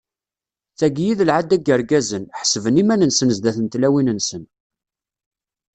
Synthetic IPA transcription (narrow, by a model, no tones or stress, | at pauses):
t͡sːæɡjiðəlʕad̪ːæɡəɾɡæzənħə̥svənimænənsənzd̪æθənt̪læwinənsən